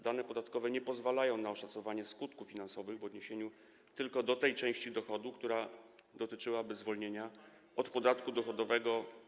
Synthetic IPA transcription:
d̪anɛpɔd̪at̪kɔvɛɲɛpɔzvalajɔ̃w̃naɔʂat̪sɔvaɲɛskut̪kufʲinansɔvɘɣvɔd̪ɲeɕeɲu | t̪ɘlkɔd̪ɔt̪ɛjt͡ʂɛ̃w̃ɕt͡ɕid̪ɔxɔd̪ukt̪uɾa | d̪ɔt̪ɘt͡ʂɘwabɘzvɔlɲeɲa | ɔt̪pɔd̪at̪kud̪ɔxɔd̪ɔvɛɡɔ

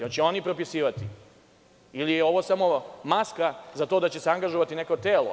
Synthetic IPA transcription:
jot͡ɕeo̞nipɾo̞pisiːʋat̪i | ilijeo̞ʋo̞samomaskazat̪o̞d̪at͡ɕeseaŋɡaʒoʋat̪ineko̞t̪eːlo̰

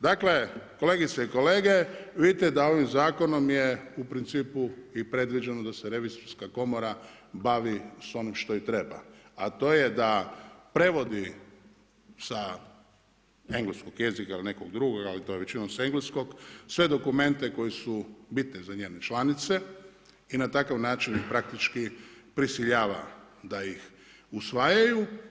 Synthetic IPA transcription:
d̪akle̞ko̞le̞ɡit̪seiko̞le̞ːɡe̞ʋid̪it̪ed̪ao̞ʋimzaːko̞no̞mjeupɾint̪siːpuipɾe̞d̪ʋid͡ʒenod̪aseɾe̞ʋizoɾskako̞moɾa | baʋiso̞nimʃt̪o̞it̪ɾe̞ba̰at̪o̞ːjed̪apɾe̞ʋo̞d̪i | sa | e̞ŋɡleskoɡje̞zikailine̞koɡd̪ɾuɡoɡalit̪ojeʋe̞t͡ʃinomse̞ŋɡlesko̞ɡsʋe̞d̪o̞kume̞nt̪e̞ko̞jesubit̪nizaɲeːnet͡ʃlanit̪se̞ | inat̪akaʋnaːt͡ʃinixpɾak̚t̪it͡ʃkipɾisiʎaːʋa̰ | d̪aix | usʋajaju

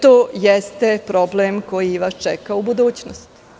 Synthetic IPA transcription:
t̪oːjest̪e̞pɾo̞blemko̞jiʋast͡ʃɛkaubud̪uːt͡ɕnost̪

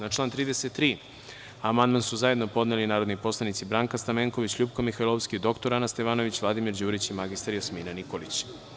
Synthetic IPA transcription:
nat͡ʃlaːnt̪ɾiːd̪e̞set̪ːɾiː | amand̪mansuzajed̪no̞po̞d̪nelinaːɾod̪nipo̞slˠanit̪sibɾaːŋkast̪ameŋkoʋit͡ɕʎuːbpkomixailˠoʋskid̪o̞kt̪o̞ɾanast̪eʋaːno̞ʋit͡ɕvlˠad̪imiɾd͡ʑuːɾit͡ɕimaɡist̪aɾjosmiːnanikolit͡ɕ

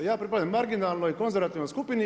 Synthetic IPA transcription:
jaːpɾipad̪amːaɾɡinaːlˠnoiko̞nzeɾʋat̪iːʋnojskupini

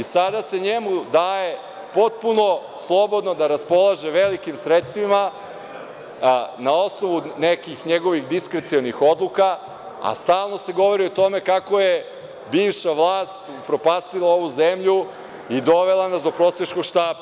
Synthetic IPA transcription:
isad̪ase̞ɲemud̪aːje̞ | po̞t̪̚puno̞ | slˠo̞bo̞d̪no̞d̪aɾaspo̞lˠaʒeʋelikimsɾet̪st̪ʋima | nao̞sno̞ʋunekixɲeɡo̞ʋixd̪iskɾet̪sionixo̞d̪lˠuka | a̰st̪aːlˠno̞se̞ɡo̞ʋo̞ɾiot̪o̞me̞kako̞je | biːʋʃaʋlˠaːst̪ | pɾo̞paːst̪ilao̞ʋuzemʎu | id̪o̞ʋe̞lˠanasd̪o̞pɾo̞ːsjeʃkoɡʃt̪aːba

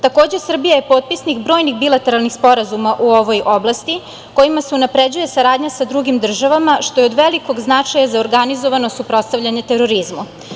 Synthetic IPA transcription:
t̪ako̞ːd͡ʑesr̩bijaje̞po̞ːt̪̚pisnikbɾo̞ːjnixbilat̪e̞ɾalˠnixspo̞ɾazumaʔuo̞ʋo̞jʔoblˠast̪i | ko̞imaseunapɾe̞d͡ʑuje̞saɾaːd̪ɲasad̪ɾuɡimd̪r̩ʒaʋamaʃt̪o̞jeod̪ʋe̞liko̞ɡznat͡ʂajazaoɾɡanizoʋano̞supɾo̞t̪st̪aʋʎaɲe̞t̪e̞ɾo̞ɾizmu

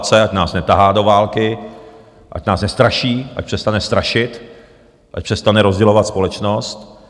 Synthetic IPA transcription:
t͡sɛacnaːsnɛt̪aɦaːdo̞vaːlkɪ | ʔa̰cnaːsnɛst̪ɾaʃiːʔa̰c̚pr̥ɛst̪anɛst̪ɾaʃɪt̪ | ʔac̚pr̥ɛst̪anɛɾozɟɛlovat̪spo̞lɛt͡ʃnost̪

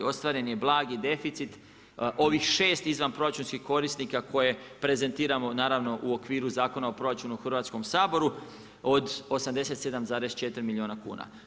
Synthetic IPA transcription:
o̞st̪ʋaːɾe̞njeblˠaːɡid̪e̞fit̪sit̪ | ʔo̞ʋixʃe̞ːst̪izʋanpɾo̞ɾat͡ʃunskihko̞ɾisnikakʰo̞je̞pɾe̞ze̞nt̪iːɾamo̞naːɾaʋno̞ʔuo̞kʋiːɾuzaːko̞naopɾo̞ɾat͡ʃunuxr̩ʋaːt̪sko̞msaːbo̞ɾu | o̞d̪o̞samd̪e̞se̞t̪se̞d̪amzaːɾe̞st͡ʃe̞t̪iɾimilʲioːnakṵːna̰

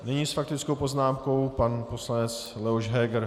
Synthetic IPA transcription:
nɛɲiːsfak̚t̪ɪt͡skowpo̞znaːmko̞wpanpo̞slanɛt͡s | lɛoʃɦɛːɡɾ

